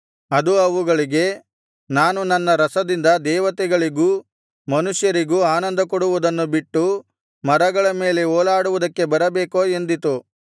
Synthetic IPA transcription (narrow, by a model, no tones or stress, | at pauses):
ɐd̪uɐʋuɡɐɭiɡe̞ | naːnunɐnːɐɾɐsɐd̪ind̪ɐd̪ɛːʋɐt̪ɛɡɐɭiɡu | mɐnuʂjɐɾiɡuaːnɐnd̪ɐkɔɽuʋud̪ɐnːubiʈːu | mɐɾɐɡɐɭɐme̞ːle̞ɔːlaːɽuʋud̪ɐkːe̞bɐɾɐbeːko̞ːe̞nd̪it̪u